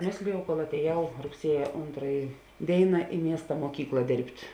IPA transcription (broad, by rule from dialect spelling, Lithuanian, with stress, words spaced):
ˈmʲeːsʲlʲɪjɛʊ koːlˠ ɐtʲeːˈjɛʊ rʊkˈsʲiɛjɛ ˈoːntrɐjɪ ˈdʲeːɪnɐ ɪ ˈmʲiɛstɐ muɔˈkʲiːklˠɐ ˈdʲeːrʲpʲtʲ